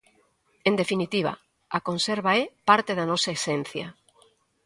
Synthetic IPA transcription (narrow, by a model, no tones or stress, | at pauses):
end̪efinit̪iβ̞a̰ | akonseɾβaɛpaɾt̪eðanɔsaesɛnθjɐ